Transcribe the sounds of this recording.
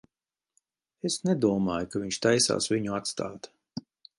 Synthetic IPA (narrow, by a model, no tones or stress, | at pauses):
esnɛd̪uɔmaːjukaviɲʃt̪ajsa̰ːsviɲuat̪st̪a̰ːt̪